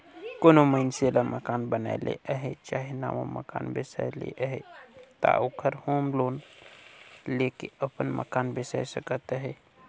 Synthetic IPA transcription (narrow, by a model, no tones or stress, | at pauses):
konoməɪnselaməkaːnbəna̰elḛʔəɦet͡ʃaːɦena̰ːʋa̰mə̰ka̰ːnbesa̰jlḛʔəɦet̪a̰oːkʰəɾhoːmloːn | leːkḛəpənmə̰kaːnbesa̰ːjsəkət̪ɦɛ